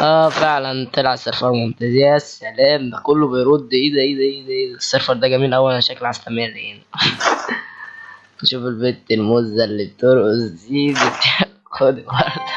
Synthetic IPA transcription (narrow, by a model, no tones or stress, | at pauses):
ʔæːfeʕlænt̪elʕasːeɾfɑɾˤmomt̪æzehæsːælæːmd̪ækolːobejɾod̪ːiʔiːd̪æʔeːd̪æʔed̪æʔeːsːeɾfɑɾˤd̪æɡæmiːlʔæwːælæʃæklʕast̪æmerːʔeni | eʃuːfelbet̪ːelmozːælːib̚et̪oɾʔozd̪iːbet̪e | xod̪wɑɾd̪